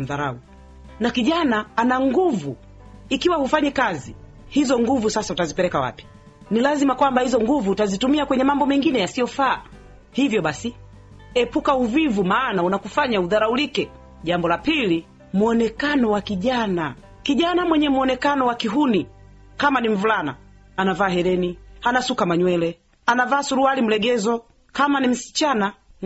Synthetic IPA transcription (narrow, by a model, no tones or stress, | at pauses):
ðaɾa̰u | nakiʄanaanaŋɡuvu | ikiwahufaɲɛkazi | hizɔŋɡuvusasautazipɛlɛkawa̰pi̥ | nilazimakwambahizɔŋɡuvutazitumiakwɛɲɛmambɔmɛŋɡinɛjasijɔfaː | hivjɔɓasi | ɛpukauvivumaːnaunakufaɲauðaɾaulikɛ | ʄambɔlapili | muɔnɛkanɔwakiʄana | kiʄanamwɛɲɛmuɔnɛkanɔwakiɦuni | kamanim̩vulana̰ | anavaːɦɛɾɛnihanasukamaɲwɛlɛ | anavaːsuɾualim̩lɛɡɛzɔ | kamanim̩si̥t͡ʃana